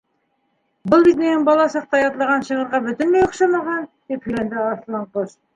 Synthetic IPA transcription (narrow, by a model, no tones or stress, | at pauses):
bʊlˠbiznenɪŋbɑlˠɑsɑq̚t̪ɑjɑt̪lˠɑʁɑnʃə̆ʁə̆ɾʁɑbɵ̆t̪ɪnmejoqʃɑmɑʁɑnd̪ep̚kɘlʲænd̪ɪɑslˠɑɴqos